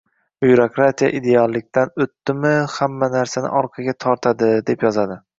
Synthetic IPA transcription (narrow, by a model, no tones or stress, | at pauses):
bjɾokɾat̪ʰija̰ʔid̪ealˠːɪk̚ʲt̪anɵt̪ːɪmɪhamːanaɾsanɪ̰ʔɒɾqʰɑɡʲat̪ʰɒɾt̪ʰad̪ɪd̪e̞pjɒzad̪ɪ